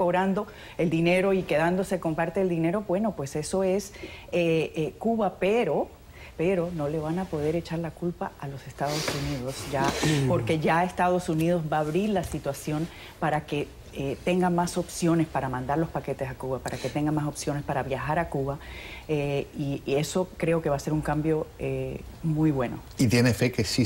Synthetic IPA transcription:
ko̞βɾand̪o̞ | e̞ld̪ine̞ɾo̞ike̞ðand̪o̞se̞ko̞mpaɾt̪eːld̪ine̞ɾo̞bwe̞no̞pwe̞se̞so̞e̞sekuβape̞ɾo̞ | pe̞ɾo̞no̞le̞β̞anapo̞ð̞e̞ɾe̞t͡ʃaɾlakulpaalo̞se̞st̪aðo̞suniðo̞sd͡ʒapo̞ɾke̞ʝae̞st̪að̞o̞sunið̞o̞zβaːβɾiɾlasit̪wasjo̞n | paɾake̞ | et̪e̞ŋɡaŋmaso̞psjo̞ne̞spaɾamãnd̪aɾlo̞spake̞t̪e̞sakuβapaɾʔaket̪e̞ŋɡanmaso̞psjo̞ne̞spaɾaβjaxaɾakuβaeie̞so̞kɾe̞oke̞βase̞ɾuŋkambjo̞e | mujβwe̞no̞̰it̪jenefe̞kesi

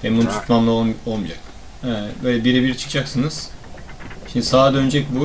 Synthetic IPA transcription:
hɛmbunt̪ʰu̥t̪mamlˠaolˠo̞lˠmud͡ʒa̰k | ɛbø̞ːjlʲɛbiɾɛbiɾit͡ʃʰɯ̥kʰd͡ʒaksɯnɯz̥ | ʃimnd̪isaːd̪ø̞nd͡ʒɛc̚ʲbu

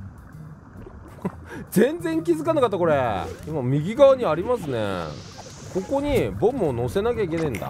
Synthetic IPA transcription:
d͡zẽ̞nd͡zẽ̞ŋkʲizɨkanakat̪ːako̞ɾeimamʲiɡʲiɡaaɲ̟iaɾʲimasɨne̞̰ | ko̞ko̞ɲ̟ibõ̞mono̞se̞nak̬ʲaik̬ʲe̞nẽ̞nd̪a̰

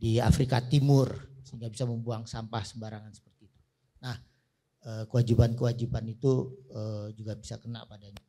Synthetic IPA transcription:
dia̰fɾikat̪imʊrsəiŋɡabisaməmbuaŋsampahsəmbaɾaŋansə̥pərt̪iːt̪u̥ | nah | əkəwad͡ʒibankəwad͡ʒibanit̪uəd͡ʒuɡabisakəna̰ʔpadaɲa

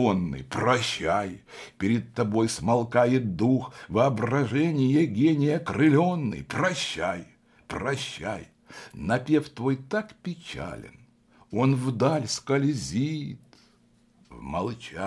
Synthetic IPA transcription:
onːɨ̰jprɐɕːajpʲɪɾʲɪt̪̚t̪ːɐbo̞jsmɐlˠkajɪt̪̚d̪uxvɨɐbrɐʐɛnʲɪjəɡʲenʲɪjəkrɨlʲo̞nːɨ̰jprɐɕːaj | prɐɕːæ̰j | nɐpʲe̞ft̪vo̞jt̪akpʲɪt͡ɕa̰lʲɪ̰n | o̞nvd̪alʲskɐlʲzʲit̪ | vmɐlˠt͡ɕa

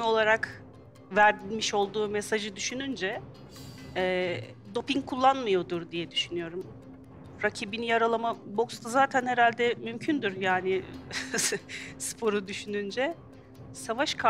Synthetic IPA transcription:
o̞lˠaɾak | væɾd̪ilʲmiʃo̞lˠd̪uːmesaʒɯd̪yʃynynd͡ʒɛ | ɛːd̪o̞piŋkʰulˠːanmɯjo̞d̪uɾd̪ijɛd̪yʃynyjo̞ɾum | ɾacʰibinijaɾalˠamabo̞kst̪ʰazaːt̪ʰænhe̞ɾalʲd̪ɛmymcʰynd̪yɾjaːnɪ | spʰo̞ɾud̪yʃynynd͡ʒɛ | savaʃkʰa

